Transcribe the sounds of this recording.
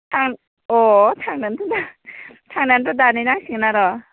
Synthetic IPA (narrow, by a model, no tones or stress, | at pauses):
tʰaŋ | ɔtʰaŋnantʰɯnatʰaŋnandɔdanajnaŋsiŋnaɾɔ